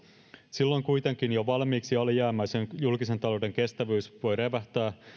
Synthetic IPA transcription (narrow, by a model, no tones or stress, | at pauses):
silːo̞jŋkujt̪e̞ŋk̟injoʋɑlmiːksiɑljæːmæːsenjulkise̞nt̪ɑlo̞de̞ŋke̞st̪æʋyːsʋo̞jɾe̞ʋæht̪æː